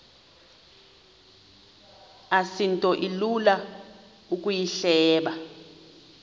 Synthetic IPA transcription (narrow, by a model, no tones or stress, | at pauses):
asintʼɔʔilula | uk̬ʼujiɬɛːɓa